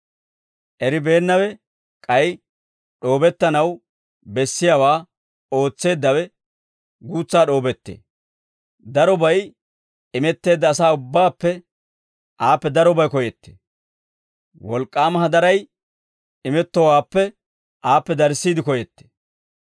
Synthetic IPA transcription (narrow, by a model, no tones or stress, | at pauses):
ʔɛɾɪbe̞ːnːɐwɛ | kʼɐj | ɗo̞ːbɛt̪ːɐnɐw | bɛsːɪjaːwaː | o̞ːt͡sːe̞ːd̪ːɐwɛ | ɡuːt͡sːaːɗo̞ːbɛt̪ːḛː | d̪ɐɾɔbɐj | ɪmɛt̪ːe̞ːd̪ːɐːsaːʊbːaːpːɛ | ʔaːpːɛd̪ɐɾɔbɐjkɔjɛt̪ːe̥̰ | wɔlkʼːaːmɐɦɐd̪ɐɾɐj | ɪmɛt̪ːɔwaːpːɛ | aːpːɛd̪ɐɾsːiːd̪ɪkɔjɛt̪ːe̥